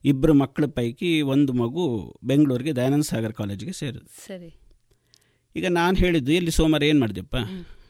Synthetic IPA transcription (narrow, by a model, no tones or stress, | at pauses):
ibːɐɾumɐkːɐɭupɐjkio̞nd̪umɐɡube̞ŋɡɐɭuːɾiɡe̞d̪ɐjnɐnsaːɡɐɾkaːleːd͡ʒiɡese̞ːɾud̪usɐɾi | iːɡɐnaːnɦe̞ːɭid̪ːuilːisoːmaɾe̞ːnmaːɖid̪ijɐpːaː